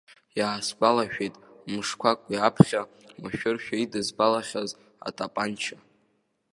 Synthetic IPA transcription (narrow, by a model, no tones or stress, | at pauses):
jaːsbʼalaʃᶣejtʼmɨʂkʷʰakʷʼiapʰχʲa | maʃᶣʊrʃᶣaidɨzbalaχʲaz | a̰tʼapʼant͡ʃʰa